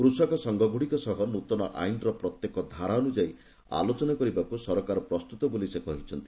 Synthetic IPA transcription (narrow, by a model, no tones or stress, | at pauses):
kɾusɔkɔsɔŋɡɔɡʱuɽikɔsɔɦɔnut̪ɔnɔʔa̰jnɾɔpɾɔt̪jekɔd̪ʱaɾaɔnud͡ʒai | a̰lot͡ʃɔnakɔɾibakusɔɾɔkaɾɔpɾɔst̪ut̪ɔbolisekɔɦit͡ʃʰɔnt̪i̥